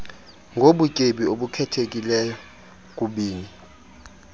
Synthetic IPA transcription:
ŋɡʱoɓukʼeɓioɓukʰɛtʰek̬ʼilɛjɔ | k̬ʼuɓiːni

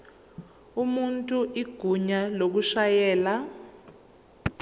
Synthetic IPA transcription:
umuntʼuʔiɡ̥ʱuɲalok̬uʃajɛːla

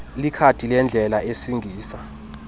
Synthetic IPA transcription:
likʰatʰʼilɛnd͡ɮʱɛlaʔesiŋɡʱiːsa

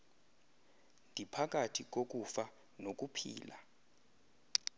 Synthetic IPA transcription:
ndʱipʰak̬ʼatʰik̬ok̬ufa | nok̬ʼupʰḭːla

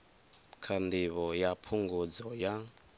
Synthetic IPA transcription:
kʰand̪iβɔjapʰuŋɡud͡zɔja

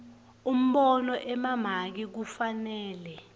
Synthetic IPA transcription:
um̩ɓɔnɔʔɛmam̤ak̬ik̬ufanɛːlɛ

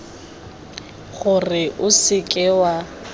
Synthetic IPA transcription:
χʊrɪʔʊsɪkʼɪwa

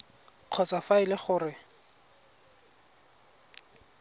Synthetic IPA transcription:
q͡χʰɔt͡sʼafaɪlɪχʊːrɪ

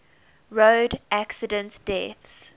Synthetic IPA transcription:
ɹoʊdæksɪdə̃ntd̥ɛθs

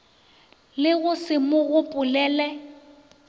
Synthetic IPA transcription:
lɪɣʊsɪmʊɣʊpʼʊlɛːlɛ

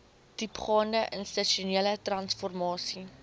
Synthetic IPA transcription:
d̥ipχɑːndəʔənstəʃuniələtrɐnsfɔrmɑːsi

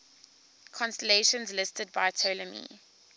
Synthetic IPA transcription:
kʰɔ̃nstəleʃə̃nzlɪstʰəd̚baɪtʰoləmḭ

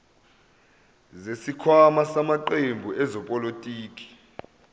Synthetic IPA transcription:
zesikʰwamasamaǃembʱuʔɛzɔpʼɔlotʼiːk̬ʼi̥

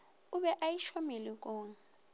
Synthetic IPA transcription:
ʊβɛʔajiʃɔmelik̬ʼoːŋ̩

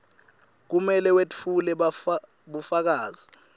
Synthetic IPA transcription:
k̬umɛlɛwet͡fʰulɛa | ɓufak̬aːz̥i

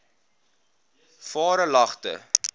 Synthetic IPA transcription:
fɑːɾəlɐχtə̰

